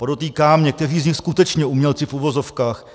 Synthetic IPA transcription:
podot̪iːkaːmɲɛk̚t̪ɛriːzɲɪxskut̪ɛt͡ʃɲɛumɲɛlt͡sɪfuvo̞zo̞fkaːx

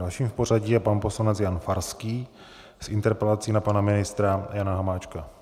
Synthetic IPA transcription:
alʃiːmfpo̞ɾaɟiːjɛpanpo̞slanɛt͡sjanfaɾskiː | sʔɪnt̪ɛɾpɛlat͡sinapanamɪnɪst̪ɾajanaɦamaːt͡ʃka

